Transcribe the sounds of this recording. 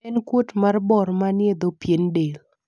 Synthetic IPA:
ɛnkwotmarbɔɾmanjed̪opjendel

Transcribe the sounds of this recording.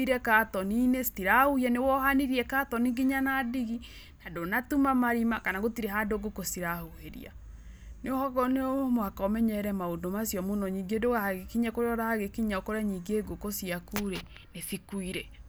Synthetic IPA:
iɾɛkatɔninestiɾahuhiɛnewɔhaniɾiɛkatɔniŋɡiɲanadiɣi | nadonatumamaɾimakanaɣotiɾeɦadoɡokosiɾahuheɾḭa̰ | neohɔɣɔneomoakɔmɛɲɛɾɛmaondomasjɔmonɔɲiŋɡedoɣahaɣekiɲakoɾeɔɾahaɣekiɲaɔkoɾaɲiŋɡeːɡokosiakuɾe | nefikuiɾɛ

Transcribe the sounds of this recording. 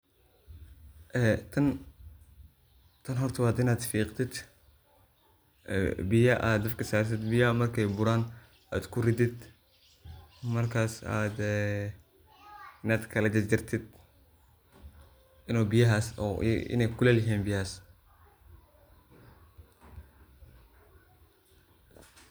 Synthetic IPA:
ʔɛt̪ʰɐn | t̪ʰɐnɦɔrt̪ʰʊwaːd̪ɪnaːd̪fiːqt̪ʰɪd̪ | bɪjɐʔaːd̪ɐfkʰɐsaːrt̪ɪd̪bɪjɐmɐrkʰɛjbʊɾaːn | aːd̪kʰʊrɪd̪ɪd̪ | mɐrkʰaːsa̰ːd̪ | ɪnaːd̪kʰɐlɐd͡ʒɪt͡ʃɪrt̪ʰɪd̪̚ | ɪnuːbɪjɐɦaːsɔ̰ɪ̰nɛjkʰʊlɛlɪɦiːnbɪjaːs

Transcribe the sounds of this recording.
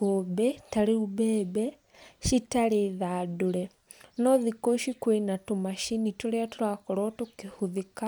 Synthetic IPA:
obɛtaɾeubɛːbɛ | ʃitaɾeðaːdoɾɛ | nɔðikoʃikwenatomaʃinitoɾeatuɾakɔɾɔtukihuðika

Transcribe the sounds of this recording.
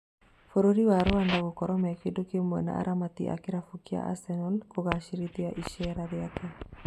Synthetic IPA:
foɾoɾiwaɾoandaɣokɔɾɔmɛkedokemwɛ̰na̰a̰ɾʔamat̪ḭʔa̰keɾafukia̰ʔa̰sɛnɔlkoɣaʃiɾit̪iaʔiʃɛɾaðeake

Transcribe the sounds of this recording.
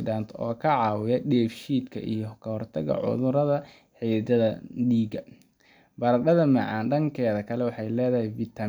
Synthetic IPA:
ɖaːnt̪ʰɔːkʰɐʕɑːwɪjɐɖɛːfʃiːd̪kʰɐ̰ʔḭjɔkʰɐhɔrt̪ʰɐɣɐ̰ʕʊ̰ðʊɾɐðɐ | ħid̪ɐðɐɖiːɡɐ | bɐɾɐdɐðɐmɐʕɑːnɖɐŋkʰɛːðɐkʰɐlɛwɑħɑjlɛːðɐɦɛjvit̪ʰɐ

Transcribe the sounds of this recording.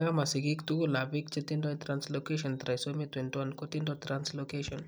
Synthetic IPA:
jamasiɡikt̪ulabikt͡ʃit̪indɔjt̪ɾanslokeʃɔnt̪ɾajsomit̪wenʈwankot̪indɔt̪ɾanslokeʃɔn

